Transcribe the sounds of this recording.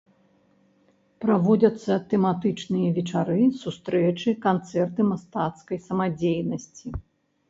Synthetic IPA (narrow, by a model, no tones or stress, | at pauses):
pɾavɔd͡zʲɐt̪sːɐt̪ɛmat̪ɨt͡ʂnɨjɐvʲɛt͡ʂaɾɨsust̪ɾɛt͡ʂɨkant̪sɛrt̪ɨmast̪at̪skɐjsɐmad͡zʲejnɐsʲt͡sʲi